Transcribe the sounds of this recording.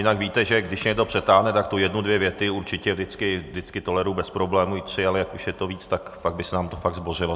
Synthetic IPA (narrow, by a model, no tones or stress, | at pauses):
jɪnakviːt̪ɛʒɛɡdɪʃɲɛɡdo̞pr̥ɛt̪aːɦnɛt̪akt̪ujɛdnudvjɛvjɛt̪ɪuɾt͡ʃɪcɛvdɪt͡skɪvdɪt͡skɪt̪o̞lɛɾubɛspɾo̞blɛːmuɪt̪r̝̥ɪalɛjakuʃjɛt̪o̞viːt͡st̪akpaɡ̚bɪsɛnaːmt̪ofaɡzborɪlo